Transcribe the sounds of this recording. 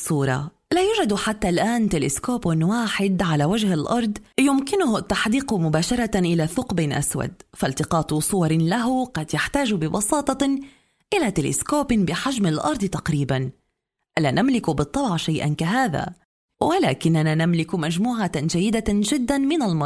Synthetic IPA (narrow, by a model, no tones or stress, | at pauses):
sˤuːɾˤɑ̰ | laːjʊːʒad̪ħat̪ːalʔaːnt̪ɪlɪskoːpnwaːħɪd̪ʕalawad͡ʒhalʔɑɾˤd̪ˤjʊmkɪnʊht̪ːaħd̪iːqmʊbaːʃɑɾˤɑʔɪlaθʊqbɪnʔa̰swa̰d̪̚falt̪ɪqɑːt̪ˤsˤʊwɑɾˤlaɦʊqɑd̪jaħt̪aːʒbɪbɑ̰sɑːt̪ˤɑ | ʔɪlat̪ɪlɪ̰skoːpɪnbɪħaʒmalʔɑ̰ɾˤd̪ˤt̪aqɾiːban | ʔalaːnʔamlɪkbɨt̪ˤːɑbʕʃajʔa̰nkaɦaːða̰ | walaːkɪnːananamlɪkmaʒmuːʕaʒajːɪd̪aʒɪd̪ːanmɪnalmɑɾˤ